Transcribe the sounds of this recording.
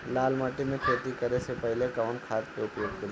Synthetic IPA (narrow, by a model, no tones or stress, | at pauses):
laːlmaːʈimẽkʰet̪ikɐɾesepɐɦlekaʊɳkʰaːt̪peʊpjoːɡ̚kɐɾ